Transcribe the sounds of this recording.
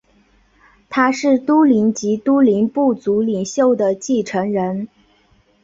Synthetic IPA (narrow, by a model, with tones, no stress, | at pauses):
t̪ʰa˥ʂɻ̩˥˩t̪u˥li˧˥nt͡ɕi˧˥t̪u˥li˧˥npu˥˩t͡su˧˥li˨˩ŋɕjo˥˩ʊd̪ə˩t͡ɕi˥˩ʈ͡ʂʰɤ˧˥ŋɻə˧˥n